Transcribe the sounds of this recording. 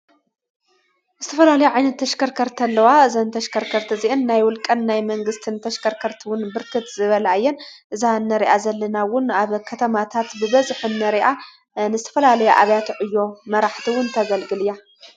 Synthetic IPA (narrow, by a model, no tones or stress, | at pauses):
zɨt̪ʰɐfɐlalɐjuʕajnɐt̪ʰːɐʃkɐɾkʰɐɾt̪ʰɐlːɐwaɨzɐnt̪ʰɐʃkʰɐɾkʰɐɾt̪ʰiziʔɨnːajwʊlkʼɐnːajmɐŋɡɨst̪ʰɨnt̪ʰɐʃkʰɐɾkʰɐɾt̪ʰiwʊnbɨɾkʰɨt̪zɨβɐlajːɛnʔɨzanːɐɾiʔazɐlːɐnawʊnaβkʰɐt̪ʰɐmat̪ʰat̪bɨβɐzħɨnːɐɾiʔa | nɨzɨt̪ʰɐ̥fɐlalɐjuʔaβjat̪ʰʕɨjːo̞mɐɾaħt̪ʰiwʊnt̪ʰɐɡɐlɡɨlɨja